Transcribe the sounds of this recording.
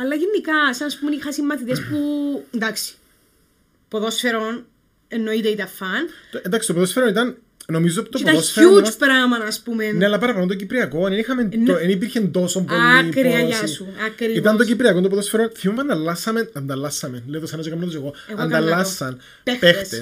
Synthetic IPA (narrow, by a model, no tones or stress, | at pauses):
ɐlːɐʝenːikɐsɐnɐspumenixɐsimːɐt̪it̪espuend̪ɐksi̥ | poðosfeɾon | enːoit̪eit̪ɐfɐnt̪end̪ɐksit̪opoðosfeɾonit̪ɐn | no̞mizopt̪oip̪ɐosfeupɾɐmɐnɐspumeneɐlːɐpɐɾɐpɐlont̪ocipɾiɐkonenixɐmenoenip̬iɾçend̪osombolikɾiɐjɐsuɐkɾiit̪ɐnt̪ocipɾiɐkont̪op̬ðosfeɾonθimɐmend̪ɐlːɐsːɐmenɐnd̪ɐlːɐsːɐmenleiðosɐnɐsokɐmnot̪oseɣoɐnd̪ɐlːɐsːɐn | pexpet̪e